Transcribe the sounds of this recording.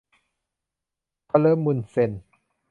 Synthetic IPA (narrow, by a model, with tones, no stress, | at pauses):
pʰa˧lɤː˦˥mːu˧˩˨nse˧˩n